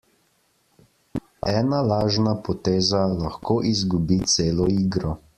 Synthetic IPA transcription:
ɛːnalaːʒnapɔt̪eːzalaxkoːʔizɡubit̪seːlɔiːɡɾɔ

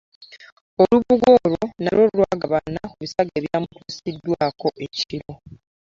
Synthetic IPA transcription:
oluβuɡoɾo̞nalolwaːɡaβanːaoβisaɡeɾjaːmukusidːwaːko̞ʔeciɾo

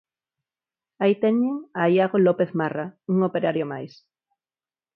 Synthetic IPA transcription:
ait̪eɲeŋajaɣolopeθmarauŋopeɾaɾjomajs

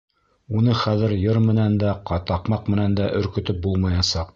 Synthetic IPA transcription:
unɤχæðɘ̆ɾjɤɾmɘ̆nænd̪æqɑt̪ɑqmɑqmɘ̆nænd̪æʔɵ̆ɾkɵ̆t̪ɵp̚bulˠmɑjɑsɑq

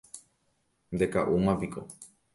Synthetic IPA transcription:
nd̪ekaʔumaviko̰

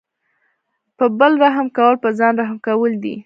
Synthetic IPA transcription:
pəbəlɾaɦmkawəlpəzɑnɾaɦmkawəld̪ḭ

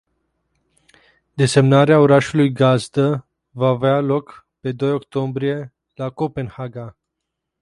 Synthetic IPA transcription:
d̪e̞se̞mnaɾeaoɾaʃulujɡazd̪ə | vaːvealo̞k | pe̞d̪o̞jo̞kt̪o̞mbɾije̞ | lako̞pe̞nhaɡa

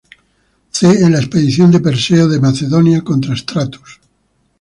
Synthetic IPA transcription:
θeːlaespeðiθjo̞nd̪epeɾseoðe̞maθeðo̞njako̞nt̪ɾaest̪ɾat̪u̥s

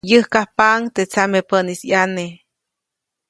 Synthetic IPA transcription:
jəhkahpaŋt̪et͡samepənisjane

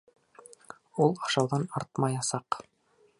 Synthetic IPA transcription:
ulˠɑʃɑwðɑnɑɾt̪mɑjɑsɑq

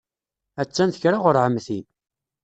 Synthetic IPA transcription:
æt͡sːænθəçɾaʁʊɾʕəmθi

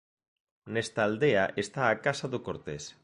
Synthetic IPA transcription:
nest̪aːld̪eaʔest̪aːkasaðokoɾt̪es

